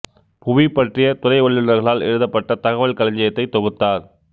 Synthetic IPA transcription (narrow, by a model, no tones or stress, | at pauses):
pʊʋipːɐʈrɪjɐt̪ʊrɐɪʋɐɭːɪnɐɾɣɐɭaːlɛ̰ɻɯðɐpːɐʈːɐt̪ɐɣɐʋɐɭkɐlɐɲd͡ʒɐjɐt̪ːɐɪt̪ɔɣɯt̪ːaːɾ